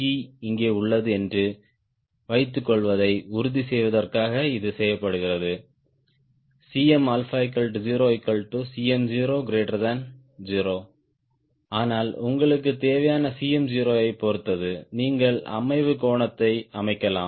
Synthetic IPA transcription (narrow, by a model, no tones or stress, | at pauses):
iːɪŋɡeːʊɭːɐðɯɛndrɯ | ʋɐɪt̪ːɯkːɔɭʋɐðɐɪʊɾʊðisɛjʋɐðɐrkaːɣɐɪðɯsɛjːɐpːɐɽɯɣɪrɐðɯ | siːɛmɐlfaːɪkɐlʈd͡ʒiːɾoːɪkːɐɭʈːɯsiːɛmd͡ʒiːɾoːɡɪɾeːʈːɐɾðɐn | d͡ʒiːɾoː | aːnaːlʊŋɡɐɭɯk̬ːɯt̪eːʋɐjaːnɐsiːɛmd͡ʒiːɾoːɐɪpːɔɾɯt̪ːɐðɯniːŋɡɐɭɐ̰mɐɪʋɯkoːɳɐt̪ːɐɪɐmɐɪkːɐlaːm